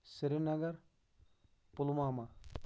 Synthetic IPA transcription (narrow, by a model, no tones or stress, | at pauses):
sɪɾinɐɡɐɾ | pʊlumaːma